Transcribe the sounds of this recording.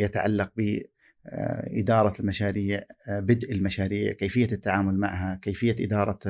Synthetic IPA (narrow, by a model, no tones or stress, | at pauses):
jat̪aʕa̰lːɑq̚bɪ | ʔɪ̰d̪ɑːɾˤɑlmaʃaːɾiːʕbɪd̪ʔɪlmaʃaːɾiːʕkeːfɪjːat̪ːaʕaːmʊlma̰ʕɦakeːfɪjːaʔɪd̪ɑːɾˤɑ